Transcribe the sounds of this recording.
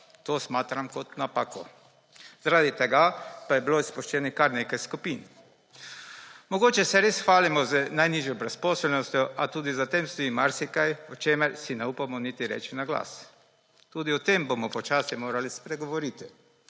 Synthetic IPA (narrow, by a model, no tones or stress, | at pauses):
t̪oːsmaːt̪ɾamkɔt̪napakɔ | zaɾad̪it̪ɛɡapajɛbiloispɔʃt͡ʃɛːnikaɾnekajskupin | mɔɡoːt͡ʃɛsɛɾesxʋaːlimɔzənajniʒjɔbɾɛspɔsɛlnɔst̪jɔʔat̪uːd̪izat̪emsoimaɾsikajɔt͡ʃeːmɛɾsinɛupamɔnit̪iɾɛ̰ːt͡ʃinaɡla̰ːs | t̪uːd̪iɔt̪embomɔpɔt͡ʃaːsɛmoːɾalispɾɛɡoʋɔɾit̪i